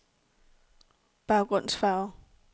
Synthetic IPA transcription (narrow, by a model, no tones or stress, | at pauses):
b̥ɑ̈ʊɡ̥ʁɔn̰sfɑ̈ʊ